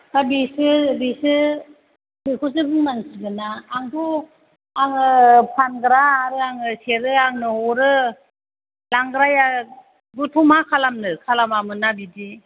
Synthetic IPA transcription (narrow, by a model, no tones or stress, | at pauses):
kabisɯbisɯ | bikʰus̬ɯbɯŋmansɯɡɯnaːŋtʰu | aŋɯpʰanɡɾaːɾɯaŋɯseɾɯaŋnɯɔɾɯ | laŋɡɾaja | ɡutʰumakʰalamnɯkʰalamamɯnabidi